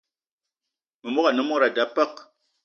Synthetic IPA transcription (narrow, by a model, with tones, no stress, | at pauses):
mɨ˨mɔ˦ka˨nə˨˦mo˦ɾa˨da˦pə˦k